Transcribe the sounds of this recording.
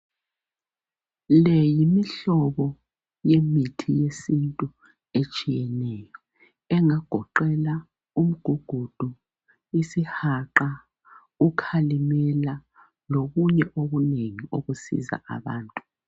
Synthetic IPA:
lɛjimiɬɔβɔ | jemitʰijesintʼu | et͡ʃʼijɛnɛjɔ | ɛŋaɡ̥ʱɔǃɛla | um̩ɡ̥ʱuɡ̥ʱud̥ʱu | isihaǃa | ukʰalimɛla | loɣuɲɛʔoɣuneŋioɣusḭza̰ʔa̰βa̰ːntʼu

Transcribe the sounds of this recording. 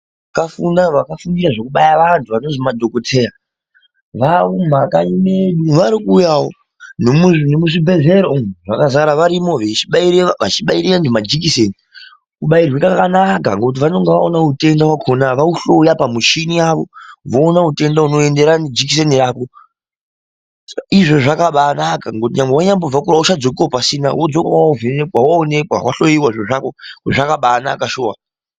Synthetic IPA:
akafundaʋakafundiɾaʐo̞kuɓajaʋantʰuʋano̞zimadʱo̞ko̞tʰe̞ːra | ʋaum̤akaimeɗuʋaɾikuːjawo | nemunemuʐibʱe̞ze̞ɾomʐakazaɾaʋaɾimo̞ʋet͡ʃiɓaiɾeʋat͡ʃiɓaiɾeʋantʰumad͡ʒikiseni | kuɓairwikakanaka̰ŋɡokut̬iʋano̞ŋɡeʋaonaute̞ndawakʰonaʋauɬo̞japamuʃiniaʋo̞ʋoːnaute̞ndauno̞e̞nde̞ɾanid͡ʒikis̬e̞niraːko | sḁaiʐoʐakaɓaːnakaŋɡotiɲambewaɲambo̞b͡vakurauʃad͡zo̞k̬iwopasina̰wod͡zokawauvenekwawaone̞kwa̰wa̰ɬo̞iwaʐoʐakokuʐakaɓaːna̰kaʃoːwa

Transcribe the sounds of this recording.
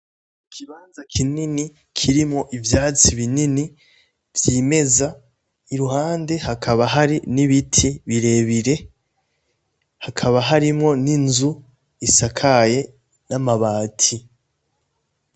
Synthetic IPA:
kʰiβaːnzakʰinini | kʰiɾimŋo̞ʔivjaːt͡siβinini | vjiːme̞za | iɾuhaːnde̞hakʰaβaɦaɾiniβitʰiβiɾe̞βiɾe̞ | hakʰaβaɦaɾimŋo̞ninzu | isakʰaje̞ | namaβaːtʰi

